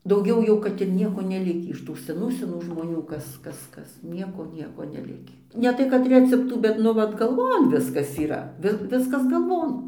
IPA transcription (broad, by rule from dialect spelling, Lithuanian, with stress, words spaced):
dɐʊˈɡʲɛʊ jɛʊ ˈkɐt ɪr ˈnʲiɛkoː nʲɛˈlʲɪkʲiː ɪʃ ˈtuː sʲɛˈnuː sʲɛˈnuː ʒmoːˈnʲuː ˈkɐs ˈkɐs ˈkɐs ˈnʲiɛkoː ˈnʲiɛkoː nʲɛˈlʲɪkʲiː nʲɛˈtɐɪ kɐt ˈrʲæːt͡sʲɛptuː bʲɛt ˈnʊ ˈʋɐt ɡɐlˠˈʋoːn ˈʋʲɪskɐs iːˈrɐ ˈʋʲɪ ˈʋʲɪskɐs ɡɐlˠˈʋoːn